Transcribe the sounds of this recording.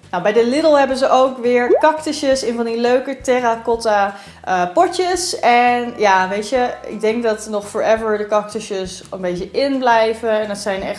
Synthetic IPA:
nawbɛjdəlɪdəl̩ˠɦɛbənzəʔowkʋɪːɹkɑktəʃəsɪnvɑndiløɥkətɛrakɔta | əpɔɹtəsɛnjaːʋejtjəɪ̰ɡ̚dɛŋk̚dɑtnɔχfɔɹɛvəɹdəkɑk̚təʃəsənbejtəʔɪnblɛjvəɛndətsɛjnɛχ

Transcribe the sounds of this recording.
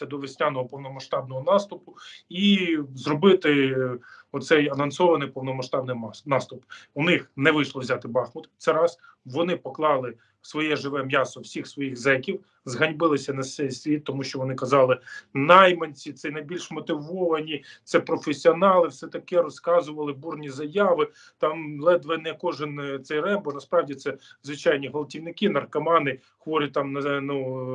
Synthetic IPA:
sʲɐd̪ɔʋɪsʲnʲanɔɦɔpɔwnɔmɐʃt̪ɑbnɔɦɔnɑst̪ʊpʊizrɔbɪt̪ɪ | ɔt̪sɛjɐnɐnsɔʋɐnɪjpɔwnɔmɐʃt̪ɑbnɪnɑst̪ʊpʊnɪxnɛʋɪʃlˠɔʋzʲat̪ɪbɑxmʊt̪t̪sɛɾɑs | ʋɔnɪpɔklˠɑlˠɪ | sʋɔjɛʒɪʋɛmjasɔwsʲixsʋɔjiɣzɛkʲiw | zɦɐnʲbɪlˠɪsʲɐnɐsʲɛjsʲʋʲit̪ːɔmuʃt͡ʃɔʋɔnɪkɐzɑlˠɪnɑjmɐnʲt͡sʲit̪sɛjnɐjbʲilʲʃmɔt̪ɪʋɔʋɐnʲit̪sɛpɾɔfesʲiɔnɑlˠɪwsɛt̪ɐkɛɾɔskɑzʊʋɐlˠɪburnʲizɐjɑʋɪ | t̪ɑmlˠɛd̪ʋɛnɛjɐkɔʒɪnt̪sɛjrɛmbɔnɐspɾɑwdʲit̪sɛzʋɪt͡ʃɑjnʲiɦɔlˠɐtʲiwnɪkɪnɐrkɐmɑnɪ | xʋɔɾʲit̪ɑmnɐnu

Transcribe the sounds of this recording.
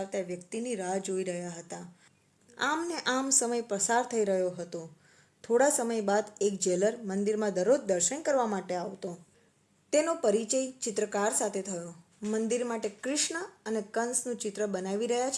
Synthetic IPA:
aɾt̪aʋjəkt̪iniɾad͡ʒoiɾəɦjaɦət̪a | amneʔamsəməjpɾəsaɾt̪ʰəiɾəɦjoɦət̪o | t̪ʰoɽasəməjbad̪ek̚d͡ʒeləɾmənd̪iɾmãd̪əɾod͡ʒd̪əɾʃənkəɾʋamaʈeaʋt̪o | t̪enopəɾit͡ʃəjt͡ʃɪt̪ɾəkaɾsat̪ʰet̪ʰəjo | mənd̪iɾmaʈekɾɪʃɳəənekənsnũt͡ʃɪt̪ɾəbənaʋiɾəɦjat͡ʃʰ

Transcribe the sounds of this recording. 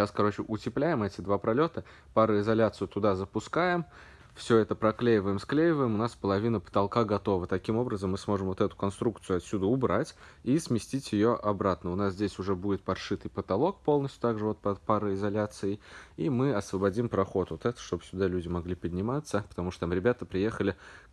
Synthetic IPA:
ɕaskɐɾo̞t͡ɕɪʔʊtʲɪplʲæjɪmɛtʲɪd̪vapɾɐlʲo̞t̪ə | paɾəɪzɐlʲat̪sɨjʊt̪ʊd̪azəpʊskajɪm | fsʲɵɛt̪əpɾɐklʲejɪvəjɪmsklʲejɪvəjɪmʊnaspəlˠɐvʲinəpə̥t̪ɐlˠkaɡɐt̪o̞vət̪ɐkʲimo̞bɾəzəmːɨsmo̞ʐɨmvot̪ɛt̪ʊ̥kɐnst̪ɾuk̚t̪sɨjʊɐt̪sʲud̪əʊbɾatʲismʲɪsʲtʲitʲjɪjo̞ʔɐbɾat̪nəʊnas̬zʲdʲesʲʊʐɛbudʲɪt̪̚pɐrʂɨt̪ɨjpət̪ɐlˠo̞k̚po̞lˠnəsʲt̪ʲjʊt̪aɡʐɨvo̞t̪pɐpaɾəɪzɐlʲat̪sɨɪimɨɐsvəbɐdʲimpɾɐxo̞t̪vot̪ɛt̪ə̥ʂt̪o̞bsʲʊd̪alʲʉdʲɪmɐɡlʲipəd̪ʲnʲɪmat̪sːəpə̥t̪ɐmuʂt̪ot̪amɾʲɪbʲat̪əpɾʲɪje̞xəlʲɪ

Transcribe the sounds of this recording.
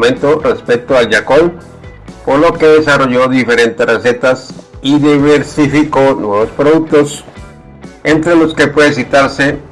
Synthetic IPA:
mẽ̞nt̪o̞re̞spek̚t̪oalʝako̞n | po̞ɾlo̞ke̞ðesaro̞ʝo̞ðife̞ɾe̞nt̪erese̞t̪asiðiβeɾsifiko̞nwe̞βospɾoðuk̚t̪o̞s | ent̪ɾe̞lo̞ske̞pwe̞ðes̬it̪aɾse̞

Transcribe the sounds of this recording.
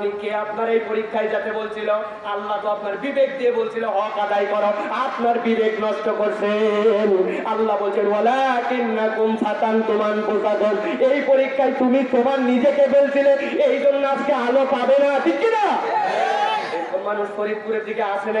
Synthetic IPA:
mikeapnaɾejpoɾikʰːajd͡ʑat̪ebolt͡ɕʰilo | alːat̪oapnaɾbibek̚d̪iebolt͡ɕʰiloɦɔakad̪ajkɔɾoapnaɾbibeknɔʃʈokoɾt͡ɕʰenalːabolt͡ɕʰenwalakinːakumʃat̪ant̪omanposad̪ʱon | ejpoɾikʰːajt̪umit̪omaɾnid͡ʑekebolt͡ɕʰileejd͡ʑonːoad͡ʑkealopabenat̪ʰiina | ekomanuʃkʰoɾid̪̚puɾeɾd̪ikeaʃen

